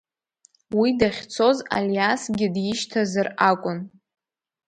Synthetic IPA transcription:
widaχʲt͡sʰo̞za̰ljasɡʲɪdjɪʃtʰazɨrakʷʼʊn

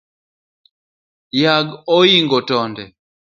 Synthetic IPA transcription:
jaɡɔjiŋɡɔtɔndɛ

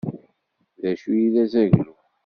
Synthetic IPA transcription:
ðæʃujiðæzæʝlu

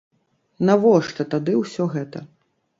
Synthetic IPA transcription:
navɔʂt̪ɐt̪ad̪ɨwsʲɔɣɛt̪ɐ

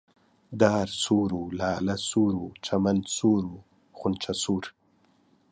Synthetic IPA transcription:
d̪ɑːɾsuːɾwulɑːlasuːɾwut͡ʃʰamand̪suːɾwu | χʊnt͡ʃʰasuːɾ

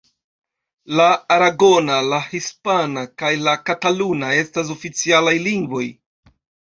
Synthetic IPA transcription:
laːɾaɡo̞nalahispanakajlakatalunae̞stas̬o̞fit͡sialajliŋɡvo̞j

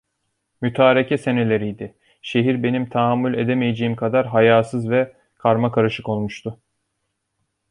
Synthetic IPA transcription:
myt̪ʰaːɾicʰɛse̞ne̞lʲe̞ɾijd̪ɪ | ʃe̞ɦiɾbe̞nimt̪ʰaɦamːulʲe̞d̪emejed͡ʒejimkʰad̪aɾɦajaːsɯzvɛ | kʰaɾmakʰaɾɯʃɯko̞lˠmuʃt̪ʰʊ

